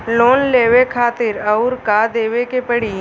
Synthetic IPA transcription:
loːnleːʋekʰaːt̪ɪɾɐʊɾkad̪eːʋekepəɽiː

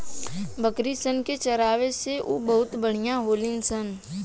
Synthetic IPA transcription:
bəkɾisənket͡ʃɐɾaːʋeseʔubɐɦʊt̪bəɽ̤ijãɦoːlɪŋɡsən

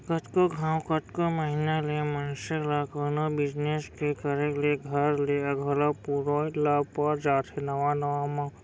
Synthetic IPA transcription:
kət̪koɡʱãːwkət̪koməɦinalemənselakənobɪd͡ʒneskekəɾekleɡʱɐɾleɐɡʱolapuɾolapəɾd͡ʒaːt̪ʰenɐʋanəʋamã

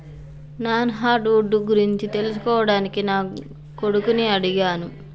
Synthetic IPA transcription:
naːnɦaːɖuːɖːuɡuɾiɲt͡ʃit̪e̞lus̬u̥kɔːʋɐɽaːnikinaː | ko̞ɽukuniɐɽiɡaːnu

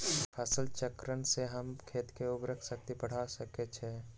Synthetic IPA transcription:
pʰɛːsɪlt͡ʃəkɾənseɦəmkʰeːt̪keʊbɾəkʰsək̚t̪ipəɽ̤asəket͡ʃʰe

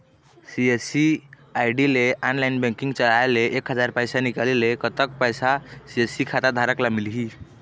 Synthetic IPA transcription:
siesi | ajɖileanlainbɛ̃ŋkiŋɡt͡ʃəlaeleʔːkɦəd͡ʒaɾpəjsanikalelekət̪əkpəjsasiesikʰat̪ad̪ʱaɾəklamilɦi

